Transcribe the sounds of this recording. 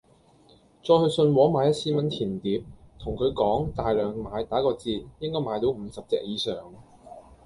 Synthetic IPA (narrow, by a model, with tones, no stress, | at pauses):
t͡ʃɔː˧jhɵ˧ɥsɵ˧nwɔː˨˥maː˨˧jɐ˥t̚sʰiː˥mɐ˨˥ntʰiː˨˩nt̪iː˨˥p̚t̪ʰʊ˨˩ŋkʰɵ˨˧ɥkɔː˨˥ŋt̪aː˨jlœː˨ŋmaː˨˧jt̪aː˨˥kɔː˧t͡siː˧t̚jɪ˥ŋkɔː˥jmaː˨˧jt̪o˨˥wm̩ː˨˧sɐ˨p̚t͡sɛ̰ː˨k̚jiː˨˧˥sœː˨˩ŋ